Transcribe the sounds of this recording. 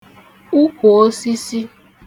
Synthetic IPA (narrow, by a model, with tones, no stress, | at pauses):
u˦ko˨o˦si˦si˦